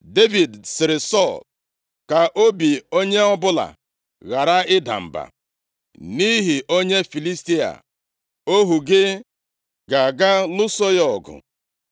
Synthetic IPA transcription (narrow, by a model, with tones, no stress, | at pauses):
de˦vi˨dsɪ˨ɾɪ˨sɔ˦˨l | ka˨ʔo˦bi˨o˦ɲe˦ɔ˦bʊ˦la̰˨ | ɣa˨ɾa˦ɪ˦da̰˨m̩˨ba̰˨ | ni˦ɦi˨ʔo˦ɲe˦fi˨li˦sti˦a̰˨ | o˦ɦu˨ɡɪ˦ | ɡa˨ɡa˦lʊ˦so˦jɔ˨ɡʊ̰˨